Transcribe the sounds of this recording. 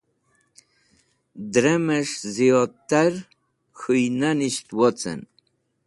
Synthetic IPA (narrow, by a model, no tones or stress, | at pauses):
d̪ɾɛməʃzijɔt̪ːaɾ | xujnaniʃt̪wɔt͡sɛ̰n